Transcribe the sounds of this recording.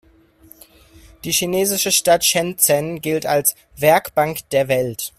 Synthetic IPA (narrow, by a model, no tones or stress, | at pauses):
d̥iːʃineːzɪʃəʃtatʃɛnt͡sɛnɡɪltals | v̥ɛɐkb̥aŋkd̥eːɐvɛlt